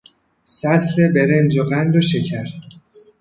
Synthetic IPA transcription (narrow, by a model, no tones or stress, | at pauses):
sæt̪le̞be̞ɾend͡ʒoɣænd̪oʃecʰæɾ